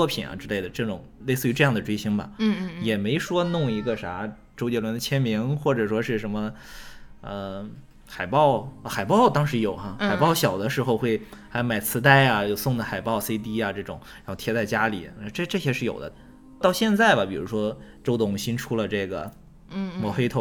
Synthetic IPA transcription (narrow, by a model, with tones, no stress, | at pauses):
ɔ˥˧pʰḭ˨˩nɐ̰˩ʈ͡ʂɻ̩˥le˥˩ɪd̪ə˩ʈ͡ʂɤ˥˩ʈ͡ʂʊ̰˨˩˦ŋle˥˧ɪsɹ̩˥˩y˧˥ʈ͡ʂɤ˥˧jɑ˥˩ŋd̪ə˩ʈ͡ʂwe˥ɕi˥ŋbɐ̰˨˧jɛ˨˩me˧˥ɪʂwɔ˥nʊ˥˩ŋi˧˥ɡə˧ʂa˧˥ | ʈ͡ʂo˥ʊt͡ɕjɛ˥˩lwə˧˥nd̪t͡ɕʰjɛ˥nmi˧˥ŋxwɔ˥˩ʈ͡ʂɤ˨˩ʂwɔ˥ʂɻ̩˥˩ʂə˧˥nmə˧ | ə˧ | xa˨˩ɪpɑ˥˩ʊ˧xa˨˩ɪpɑ˥˩ʊt̪ɑ˥ŋʂɻ̩˧˥jo˨˩ʊxa˥˧xa˨˩ɪpɑ˥˩ʊɕjɑ˨˩ʊd̪ə˦ʂɻ̩˧˥xo˥˧ʊxwe˥˩ɪxa˧˥jma˨˩ɪt͡sʰɹ̩˧˥t̪a˥˧ɪa˨jo˥˩ʊsʊ˥˩ŋd̪ə˩xa˨˩ɪpɑ˥˩ʊse˥ɪt̪̬i˥ɐ˨ʈ͡ʂɤ˥˩ʈ͡ʂʊ̰˨˩ŋɻxo˥˩t̪ʰjɛ˥t͡sa˥˩ɪt͡ɕja˥lḭ˨˩˦ʈ͡ʂɤ˥˧ʈ͡ʂɤ˥˩ɕjɛ˥ʂɻ̩˥˩jo̰˨˩ʊd̪ə̰˦ | t̪ɑ˥˧ʊɕjɛ˥˧nt͡sa˥˩ɪbɐ˩pi˨˩ɻṵ˧˥ʂwɔ˥ʈ͡ʂo˥ʊt̪ʊ˥˩ŋɕi˥nʈ͡ʂʰu˥lə˨ʈ͡ʂɤ˥˩ɡə̰˩˥ | mɔ˧˥xe˥ɪt̪ʰo˧˥˩